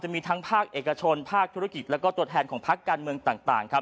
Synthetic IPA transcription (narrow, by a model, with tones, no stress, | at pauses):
t͡ɕa˨˩miː˧t̪ʰa˦˥ŋpʰaː˥˩k̚ʔeː˨˩ka˧t͡ɕʰo˧npʰaː˥˩k̚t̪ʰu˦˥a˥ki˨˩t̪̚lɛː˦˥wkɔː˥˩t̪u˧ət̪ʰɛː˧nkʰɔː˩˦ŋpʰa˦˥kːaː˧nmɯ˧əŋt̪aː˨˩ŋt̪a̰ː˨˩ŋkʰa˦˥p̚